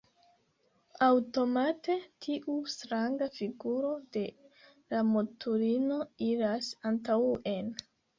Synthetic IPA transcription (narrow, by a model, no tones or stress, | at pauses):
awto̞mate̞tʰiʔustɾaŋɡafiɡuɾo̞de̞ | lamotʰuɾino̞iɾasantawe̞n